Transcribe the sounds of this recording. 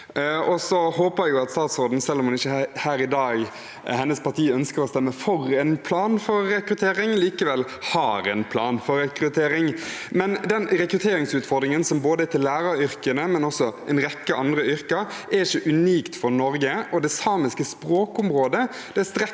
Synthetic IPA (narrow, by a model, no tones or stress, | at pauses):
ɔsɔhoːpəæjʊɑt̪st̪ɑːt̪sɔɾd̪n̩sɛlːɔmhɑnɪçːəhæːɾɪd̪ɑːɡ | hɛnːəspʰɑʁt̪ʰiːœnskəɾɔst̪ɛmːəfɔɾɛnpʰlɑːnfɔɾːɛkɾʉt̪ʰeːɾɪŋliːkəʋɛlː | hɑːɾɛnpʰlɑ̰ːnfɔɾɛkɾʉt̪ʰeːɾɪŋmɛnd̪ɛnɾɛkɾʉt̪ʰeːɾɪŋsʉːt̪fɔɾd̪ɾɪŋənsɔmboːd̪əɛt̪ɪlːæːɾɑʏɾkənəmɛnɔsɔɛnɾɛkːəʔɑnd̪ɾəʏɾkəɛɾɪçəʔʉniːkt̪fɔɾnɔɾɡəɔd̪ɛsɑːmɪskəspɾoːkʊmɾoːd̪ə | d̪̥ɛæst̪ɾɛ